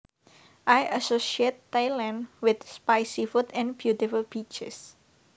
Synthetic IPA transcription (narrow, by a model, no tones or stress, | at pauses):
ʔajasosiet̪ːajlɛ̃nwɪt̪spajsifut̪ɛ̃nbjut̪ifulbit͡ʃɛ̰s